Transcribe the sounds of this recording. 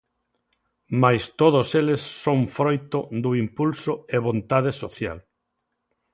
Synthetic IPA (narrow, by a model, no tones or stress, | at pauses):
majst̪oð̞oselesːõŋfɾojt̪ʊd̪ʊimpulsʊeβõnt̪aðesoθja̰l